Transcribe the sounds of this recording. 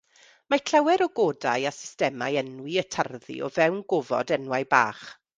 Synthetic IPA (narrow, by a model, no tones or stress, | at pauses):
makʰl̥awɛɾɔɡoːdajasɪ̥stɛmajɛnwiətʰarðḭɔ̰vɛwnɡɔvɔ̰dɛnwajba̰ːχ